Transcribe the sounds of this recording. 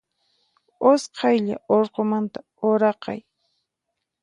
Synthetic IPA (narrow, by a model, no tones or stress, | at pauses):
osqʰɑjʎaoɾqomant̪a | oɾɑqɑ̰j